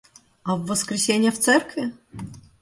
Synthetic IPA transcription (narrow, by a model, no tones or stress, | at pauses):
ɐvːəskɾʲɪsʲenʲjəft̪sɛrkvʲɪ